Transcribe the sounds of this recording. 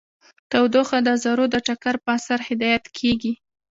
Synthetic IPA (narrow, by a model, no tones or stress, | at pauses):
t̪awd̪oxad̪əzaɾod̪əʈakaɾpəasaɾhɪd̪ɑjat̪kʰeɡi